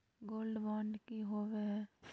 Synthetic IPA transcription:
ɡoːlɖʋaːɳɖkiɦoːʋe

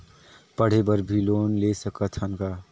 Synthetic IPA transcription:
pəɽ̤ebəɾbʱiloːnlesəkət̪ʰənkaː

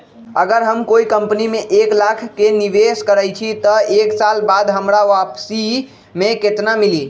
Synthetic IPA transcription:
əɡəɾɦəmkoikəmpnimeʔeklakʰːeniʋeskəɾəjt͡ʃʰit̪əeksalbad̪ɦəmɾaʋapsi | meket̪namili

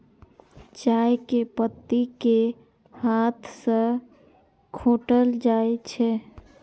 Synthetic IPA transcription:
t͡ʃajkepət̪ːike | hat̪ʰsə̃ | kʰoʈəld͡ʒaet͡ʃʰɛ

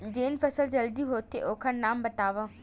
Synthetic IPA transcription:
d͡ʒeːnfʰɐsəld͡ʒɐld̪iɦoːt̪ʰːeʔoːkʰəɾnaːmbɐt̪aːʋã

